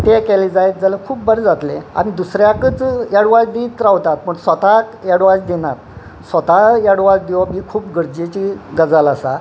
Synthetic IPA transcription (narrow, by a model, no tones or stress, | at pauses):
t̪ekɛled͡zajt̪̚d͡zalekʰuːpbəɾd͡zat̪lea̰mid̪usɾjakət͡sjaɽʋad͡zd̪iːt̪ɾawt̪at̪̚məɳsʋət̪ajaɽʋad͡zd̪inat̪̚ | sʋət̪ajaɽʋad͡zd̪iʋmiːkʰuːpɡəɾd͡ʑet͡ɕiɡəd͡zalasa